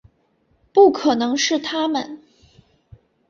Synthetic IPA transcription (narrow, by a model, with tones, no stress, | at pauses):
pu˥˩kʰɤ˨˩nɤ˧˥ŋʂɻ̩˥˩t̪ʰa˥mə˨n